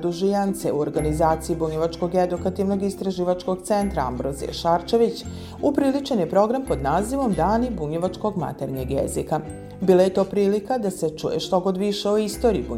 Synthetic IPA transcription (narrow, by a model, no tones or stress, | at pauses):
d̪uʒijant̪seuoɾɡanizaːt̪sijibuɲeʋat͡ʃko̞ɡed̪ukat̪iʋno̞ɡist̪ɾaʒiːʋat͡ʃko̞ɡt̪se̞nt̪ɾaa̰mbɾozḭḛʃaɾt͡ʃe̞ʋit͡ɕ | upɾilit͡ʃenjepɾo̞ɡɾampo̞d̪naːziʋo̞md̪aːnibuɲeʋat͡ʃko̞ɡma̰t̪e̞ɾɲeɡjḛzika | biːlˠaje̞t̪o̞ːpɾiːlikad̪ase̞t͡ʃṵjḛʃt̪oɡo̞d̪ʋiʃeoist̪o̞ɾiːbu